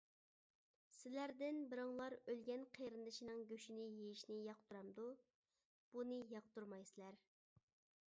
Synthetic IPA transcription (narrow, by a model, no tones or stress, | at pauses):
sɪlæɾd̪ɪnbɪɾɑŋlˠɑɾølɡʲɛnqʰejɾɨnd̪ɨʃinɨŋɡʲøʃinɪjejiʃnɪjɑq̚t̪ʰuɾɑmd̪u | b̥unɨjɑq̚t̪uɾmɑjsɨlæɾ